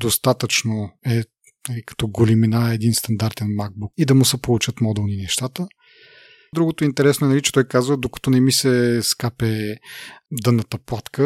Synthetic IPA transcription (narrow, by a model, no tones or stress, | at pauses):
d̪ost̪at̪ət͡ʃnoɛ | nɐlikɐ̥t̪ɔɡoliminaɛd̪inst̪ɐnd̪aɾt̪ɛnmaɡ̚bukid̪ɐmusɛpolˠut͡ʃət̪mɔd̪ɛlˠninɛʃt̪at̪ə | d̪ɾuɡot̪oint̪ɛɾɛsnoɛnɐlit͡ʃɛ̥t̪ɔjkazvəd̪okɐ̥t̪ɔnɛmisɛskapɛ | d̪ənːət̪ɐplˠat̪kə